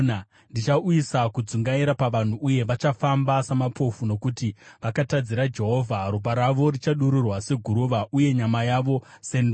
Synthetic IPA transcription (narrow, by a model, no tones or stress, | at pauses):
ndit͡ʃauisakud͡zuŋɡaiɾapaʋan̤uʔuje̞ʋat͡ʃafambasamapʰo̞funo̞kutiʋakatad͡ziɾad͡ʒe̞ɦo̞vʱaɾop̬aɾaʋo̞rit͡ʃaɗuɾurwase̞ɡʱuɾuʋaʔuje̞ɲamajaʋo̞ | sen